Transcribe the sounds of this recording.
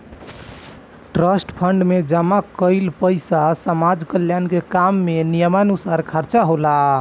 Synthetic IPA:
ʈɾəsʈpʰəɳɖmed͡ʒəmakəɪlpəɪsasəmad͡ʒkəljankekamːenijəmanusaɾkʰəɾt͡ʃaɦola

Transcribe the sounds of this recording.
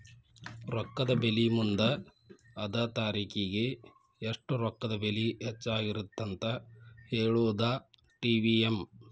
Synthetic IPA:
ɾɔkːɐd̪ɐbelimund̪ɐː | d̪ɐt̪aːɾiːkiɡe̞ː | ʂʈuɾɔkːɐd̪ɐbeliɦet͡ʃːaːɡiɾut̪ːɐnt̪ɐheːɭud̪aː | ʈiːʋijem

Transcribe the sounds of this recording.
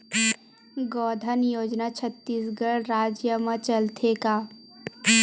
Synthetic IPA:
ɡɔːd̪ʱənjoːd͡ʒnat͡ʃʰət̪ːiːsɡəɽɾaːd͡ʒjəmãt͡ʃəlt̪ʰekaː

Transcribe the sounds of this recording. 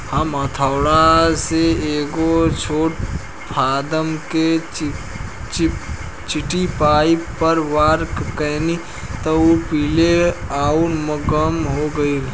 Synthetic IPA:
həmət̪ʰaʊɽaseeːɡot͡ʃʰoːʈ̚ | pʰaːd̪əmke | t͡ʃ | t͡ʃɪʈipaːipəɾʋaːɾkkəɦni | t̪ɐopiːleaːunməɡəmɦoɡəi

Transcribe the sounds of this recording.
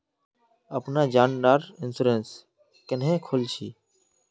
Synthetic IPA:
əpnaːd͡ʒaːnɖaːɾɪnsʊɾeːns | kənɦẽːkʰoːlt͡ʃʰiː

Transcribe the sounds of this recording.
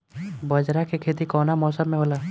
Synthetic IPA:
bəd͡ʒɾakekʰeːt̪̬ikɔːnamɔːsəmːẽɦoːlaː

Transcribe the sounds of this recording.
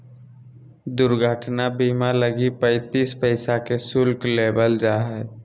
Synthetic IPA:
d̪ʊɾɡʱəʈnabiːmaləɡipəɪt̪iːspəɪsakesʊlkleːbəld͡ʒaːɦɛː

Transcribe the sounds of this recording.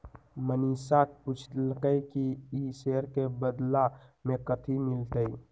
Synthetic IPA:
məniːsak̚put͡ʃ̪ʰlkəjkiiseːɾkebəd̪lamẽkət̪ʰimɪlt̪əi

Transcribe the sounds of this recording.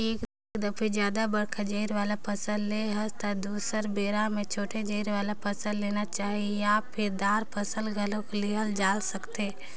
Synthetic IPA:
eːkd̪ | kd̪əpʰɪd͡ʒjaːd̪abɐɽkʰad͡ʒeːɾʋaːlapʰɐsəlleɦɐst̪ad̪uːsəɾbeːɾãmẽt͡ʃʰoːʈʰed͡ʒeːɾʋaːlapʰɐsəlleːnat͡ʃaːɦieaːppʰɪɾd̪aːɾpʰɐsəlɡʱəlõkeliɦəld͡ʒaːlsɐkt̪e

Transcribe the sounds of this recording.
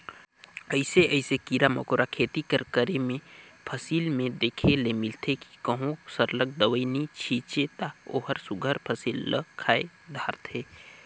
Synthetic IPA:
əɪseəɪsekiɾamə̰koɾakʰeːt̪ikəɾkəɾemẽpʰəsiːlmẽd̪eːkʰelemɪlt̪ʰeki̥kəɦõsəɾlək̚d̪əʋəinit͡ʃʰiːt͡ʃet̪ao̰ːɦəɾsʊɡʱəɾpʰəsiːlːə̰kʰaːe | d̪ʱaːɾt̪ʰeː

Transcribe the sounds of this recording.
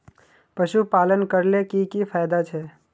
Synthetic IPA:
pəʃupaːlənkəɾlekikifʰaːjd̪at͡ʃʰeː

